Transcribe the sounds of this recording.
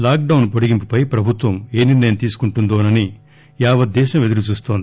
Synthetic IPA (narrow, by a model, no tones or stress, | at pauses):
laːk̚ɖɐwnpoɽiɡimpi̥pɐjpɾɐbʱut̪ʋɐme̞ːniɾnɐjɐmt̪iːsu̥kuɳʈund̪oːnɐni | jaːʋɐd̪ːɛːʃɐme̞d̪ulut͡ʃuːst̪oːnd̪i